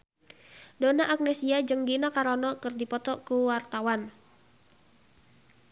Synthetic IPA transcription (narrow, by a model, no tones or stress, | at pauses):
donaʔak̚nɛsiad͡ʒəŋɡinakaɾɔnɔkərdipɔt̪ɔkuwart̪awan